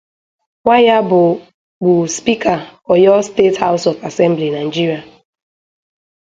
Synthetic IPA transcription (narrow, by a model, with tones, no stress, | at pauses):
ŋʷa˦ja˦bʊ˨ | ɡ͡bu˨spi˦ka˨ɔ˨jɔ˦ste˦tha˦ʊ˦sɔ˨fa˨sɛ˦m˦bli˨na˨i˨d͡ʒi˦ɾi˨a˨